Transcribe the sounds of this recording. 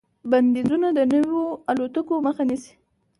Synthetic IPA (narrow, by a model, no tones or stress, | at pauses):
band̪ezunad̪ənəwoalot̪əkoməxanisi̥